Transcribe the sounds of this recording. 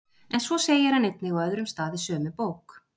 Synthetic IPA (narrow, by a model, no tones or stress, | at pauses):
ɛnsvɔseːjɪɾhanejt̪̚nɪɣɔœðɾʏmst̪aːðɪsœːmʏpoːwk